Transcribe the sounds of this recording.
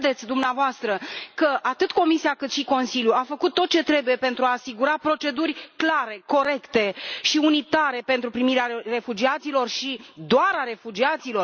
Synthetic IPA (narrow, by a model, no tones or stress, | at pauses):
d̪e̞t̪sʲd̪umneavoast̪ɾəkəʔat̪ɨt̪ko̞misiakɨt̪ʃiko̞nsiljuafəkut̪ːo̞t̪̚t͡ʃe̞t̪ɾe̞buje̞pe̞nt̪ɾuaːsiɡuɾapɾo̞t͡ʃe̞d̪urʲklaɾe̞ko̞ɾe̞kt̪e̞ʃiunit̪aɾe̞pent̪ɾupɾimiɾeare̞fud͡ʒiat̪silo̞rʃid̪oaɾaɾe̞fud͡ʒiat̪silo̞